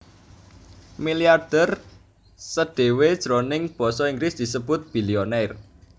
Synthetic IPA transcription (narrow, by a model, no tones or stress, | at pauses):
miliard̥ər | səɖ̥e̤wed̥ʒ̥ɾonɪŋb̥ɔ̤sɔiŋɡɾɪsd̪̥i̤səb̥ʊt̪̚b̥i̤lionɛr